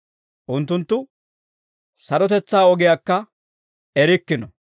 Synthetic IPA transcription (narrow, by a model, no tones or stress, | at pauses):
ʔʊnt̪̬ːʊnt̪ːʊ | sɐɾɔt̪ɛt͡sːaːɔɡɪjakːɐ | ɛɾɪkːɪnɔ